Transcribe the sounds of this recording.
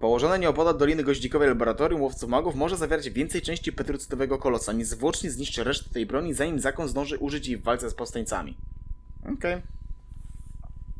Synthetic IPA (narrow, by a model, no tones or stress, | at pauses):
pɔwɔʐɔnaɲɛɔpɔd̪ad̪ɔlʲinɘɡɔʑd͡ʑikɔvɛjlabɔɾat̪ɔɾjumwɔft̪sufmaɡufmɔʐɛzavjeɾad͡ʑvʲjɛnt̪sɛjt͡ʂɛ̃ɕt͡ɕipɛt̪ɾut̪sɘ̥t̪ɔvɛɡɔkɔlɔsaɲɛzvwɔt͡ʂɲɛzɲiʂt͡ʂɘɾɛʂt̪ɘ̥t̪ɛjbɾɔɲizaɲimzakɔnzd̪ɔ̃w̃ʐɘʔuʐɘt͡ɕjivːalt̪sɛspɔfst̪aɲʲt̪sa̰mʲḭɔ̰kɛj